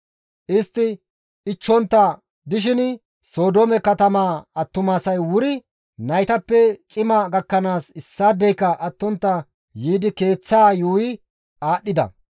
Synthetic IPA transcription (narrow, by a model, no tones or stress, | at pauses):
ʔɪst̪ːɪː | t͡ʃːɔnt̪ːɐ | d̪ɪʃ̬ɪn | so̞ːd̪oːmɛkɐt̪ɐmaːɐt̪ːʊmaːsɐjwʊɾɪ | nɐjt̪ɐpːɛt͡ʃʼɪmɐɡɐkːɐnaːsɪsːaːd̪ɛjkɐʔɐt̪ːɔnt̪ːɐ | jiːd̪ɪke̞ːt͡sːaːjuːjɪ | aːɗːɪd̪ɐ̰